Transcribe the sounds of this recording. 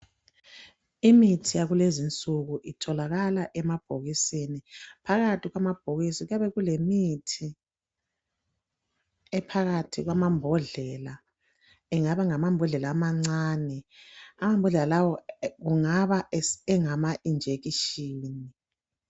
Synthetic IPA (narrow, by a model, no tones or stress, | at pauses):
imitʰijaɣulezint͡sʼuɣuʔitʰɔlaɣalaʔɛmab̥̚ʱoɣisinipʰaɣatʰʼiɣwamab̥ʱoɣisiɣujaβɛɣulemitʰi | ɛpʰaɣatʰḭɣwamambʱɔɮɛla | ɛŋaβaŋamambʱɔɮɛlaːmaŋ͡ǀaːnɛamambʱɔɮɛlalawɔɣuŋaβaɛŋamaʔind͡ʒʱeɣiʃiːni